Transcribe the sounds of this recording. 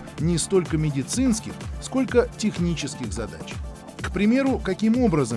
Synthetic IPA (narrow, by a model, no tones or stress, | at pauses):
nʲɪst̪o̞lʲkəmʲɪdʲɪt̪sɨnskʲɪxsko̞lʲkətʲɪxnʲit͡ɕɪskʲɪɣzɐd̪a̰t͡ɕ | kpɾʲɪmʲe̞ɾʊkɐkʲimo̞bɾəzə